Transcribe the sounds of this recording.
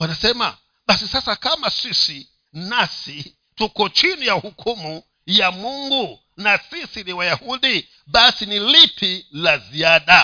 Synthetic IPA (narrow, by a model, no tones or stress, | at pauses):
wanasɛma̰ | ɓasisasakamasisi | nasi | tukɔt͡ʃinijauhukʰumu | jamuŋɡu | nasisiniwajahuɗi | ɓasinilipʰilaziaɗa